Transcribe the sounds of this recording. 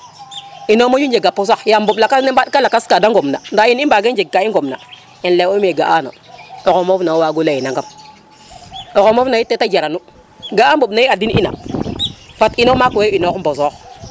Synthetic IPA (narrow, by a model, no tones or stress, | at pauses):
inomojund͡ʒeɡapːos̬akjambuɓlakasnembaɗkalakaskadaŋɡomna̰ndainimbaɡend͡ʒeɡ̚kaiɡomna | inleomeɡa̰ʔano̰okomofnawaɡulajinaŋɡam | okomofnajitetad͡ʒaɾanu | ɡaamboɓnaiadinḭna̰ | fatinomakeinokmbosok